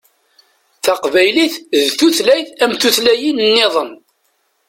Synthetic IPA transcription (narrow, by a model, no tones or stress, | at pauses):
θɑqvæjliθðθuθlæjθæmθuθlæjinnːɪðˤən